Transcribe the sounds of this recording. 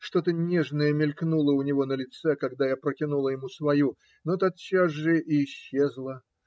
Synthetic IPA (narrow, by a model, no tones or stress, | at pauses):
ʂt̪o̞t̪ənʲeʐnəjəmʲɪlʲknulˠəʊnʲɪvo̞nəlʲɪt̪sɛkɐɡd̪ajapɾəkʲɪnulˠəjɪmusvɐju | not̪at̪t͡ɕːasʐɨʔɪːɕːezlˠə